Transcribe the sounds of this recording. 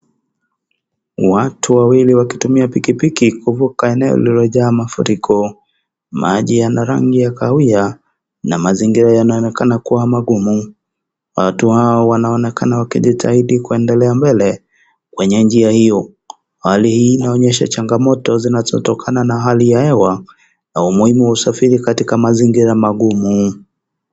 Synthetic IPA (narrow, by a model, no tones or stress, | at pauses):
watʰuwawiliwakitumiapikipikikuvukaɛnɛɔ̰lilɔʄaːmafṵɾikʰɔ | mʔaʄijanaɾa̰ŋɡijakaia | na̰maziŋɡiɾajanaɔnɛkanakuwamaɠumu | watuhaɔwanaɔnɛkanawakḭʄitʰahiɗikuɛndɛlɛambɛlɛ | kwɛɲɛnd͡ʒiahijɔ | halihiːnaɔɲɛʃa̰t͡ʃaŋɡamɔtɔzinazɔ̰tɔkʰananaɦalijahɛwa | naumuhimuwausafiɾikatikamaziŋɡiɾamaɠumu